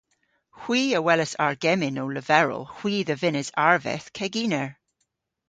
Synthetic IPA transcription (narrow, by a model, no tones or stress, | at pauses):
hw̥iːəwɛləsa̰ɹɡ̥ɛmɪnowləvɛɹə̰lˠhw̥iːðəvɪnəzaɹvɛ̰θkʰɛɡiːnəɹ